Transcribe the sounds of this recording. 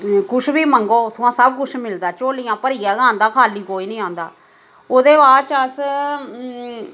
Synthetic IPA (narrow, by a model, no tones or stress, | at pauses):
kʊt͡ʃʰbiːməŋɡoːt̪ʰʊãːsəb̚kʊt͡ʃʰmɪld̪aːt͡ʃoːlɪjãːpəɾiːaːɡãːnd̪aːkʰaːliːkoːiːnĩːãːnd̪a̰ː | oːd̪eːbaːɾt͡ʃəs